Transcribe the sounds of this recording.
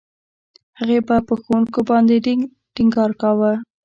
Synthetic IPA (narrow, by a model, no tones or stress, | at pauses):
haɣebapəxowuŋkobɑnd̪e | ʈiŋɡɑɾkawə